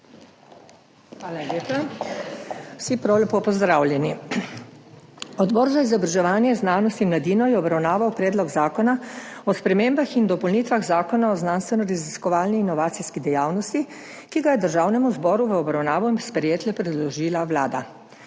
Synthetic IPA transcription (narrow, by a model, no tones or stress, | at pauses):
xʋaːlaleːpa | wsipɾawlʲɛpopɔzd̪ɾawlʲjɛni | ɔd̪bɔːɾzaizɔbɾaʒɛʋaːnjɛznaːnɔst̪imlad̪iːnɔjɛɔbɾawnaːʋawpɾɛːd̪lɔɡzaːkɔnaɔspɾɛmembaxind̪ɔpɔlniːt̪ʋaɣzaːkɔnaɔznaːnst̪ʋɛnɔɾaziskɔʋaːlniːnɔʋaːt̪siskid̪ɛjaːwnɔst̪i | kiɡajɛd̪əɾʒaːwnɛmuzbɔːɾuʋəɔbɾawnaːʋɔinspɾɛjeːt̪lɛpɾɛd̪lɔʒiːlawlaːd̪a